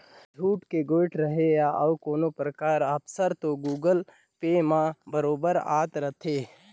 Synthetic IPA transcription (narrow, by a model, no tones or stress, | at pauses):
d͡ʒʱuːʈkeɡoːʈɾəɦejaʔɐwkoːnopɾəkaːɾəpsəɾt̪oɡuːɡəl | peːmãbəɾoːbəɾa̰ːt̪ɾət̪ʰe